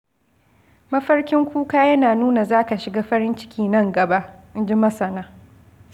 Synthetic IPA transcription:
mɐ˦ɸɐ˦rkʲɪ˦ŋkʷuː˦kaː˦jɐ˦naː˨nuː˦na˨zaː˦ka˨ʃɪ˨ɡaː˦ɸɐ˦ɾɪ˦nt͡ʃɪ̥˦kʲʰiː˦nɐ˦ŋɡɐ˨ba˦ʔɪ˦nd͡ʒi˦mɐ˦sɐ˨naː˦

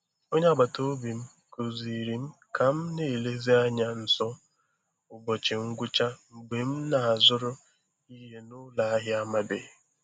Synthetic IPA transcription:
o˦ɲe˦a˨ɡ͡ba˨to˦o˦bi˨m̩˦ | ko˨zi˨ɾi˨m̩˦ | ka˨m̩˦ne˨le˦zi˦a˦ɲa˦n̩˨sɔ˦ | ʊ˨ɡ͡bɔ˨t͡ʃe˨ŋ̩˦ɡʷʊ˦t͡ʃa˦ŋ͡m̩˨ɡ͡be˨m̩˦na˨a˨zʊ˦ɾʊ˦ | i˦ɦe˦nʊ˦la˨a˦ɦɪ˦a˦ma˦be˨

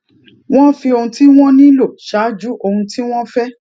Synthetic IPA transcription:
w̃ɔ̃˦fi˧o˧hũ˧ti˦w̃ɔ̃˦nĩ˦lo˦˨ʃa˨˦d͡ʒu˨˦ʔo˧hũ˧ti˦w̃ɔ̃˦fɛ˦

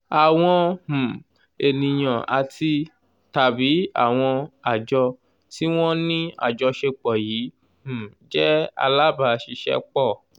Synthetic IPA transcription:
a˨w̃ɔ̃˧hũ˨ | e˨nĩ˨j̃ã˨ʔa̰˨ti˧ | ta˨bi˨˦a̰˦˨w̃ɔ̃˧a˨d͡ʒɔ˧ | ti˦w̃ɔ̃˦nĩ˦a̰˦˨d͡ʒɔ˧ʃe˧k͡pɔ˨jiː˨˦ | hũ˨d͡ʒɛ˦a̰˧la˦ba˧˨˧ʃi˧ʃɛ̰˧˦k͡pɔ˦˨

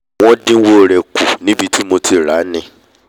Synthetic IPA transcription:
wɔ̃˦dɪ̃˦wo˨ɾe˨kʰu˨nɪ̃˦bi˨tʰi˦mo˨tʰi˨ɾa˨˦nɪ̃˦

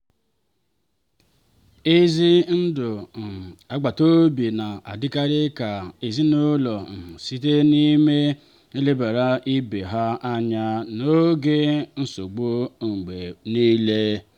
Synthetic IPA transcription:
e˦zi˦n̩˦dʊ˨ | a˨ɡ͡ba˨to˦bi˨na˨ʔa̰˨dɪ˦ka˦ɾɪ˦ka˨e˨zi˦no˦lɔ˨si˦t̬e˦ni˦me˦ | e˦le˦ba˨ɾa˦ʔi˦be˨ɦa˦a˦ɲa˦no˦ɡe˦n̩˦so˨ɡ͡bo˦ŋ͡m̩˨ɡ͡be˨ni˦le˦

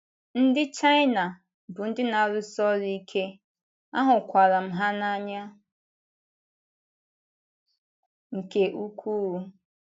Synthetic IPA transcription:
n̩˦dɪ˦t͡ʃa˦ɪ˦na˨ | bʊ˨n̩˦dɪ˦na˨ɾʊ˦sɔ˦ɾi˦kʰe˦ | a̰˦ɦʊ˨kʷa˨ɾa˨m̩˦ɦa˦na˦ɲa˦ | ŋ̩˨ke˨ʔu˦kʷu˦u˦

